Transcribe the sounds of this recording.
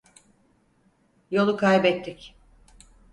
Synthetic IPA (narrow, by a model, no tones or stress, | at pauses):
jo̞lˠukʰajbɛt̪ʰːɪc